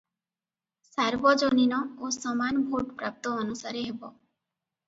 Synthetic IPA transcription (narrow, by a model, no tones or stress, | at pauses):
saɾbɔd͡ʒɔninɔosɔmanbʱoʈpɾa̰p̚t̪ɔɔnusaɾeɦebɔ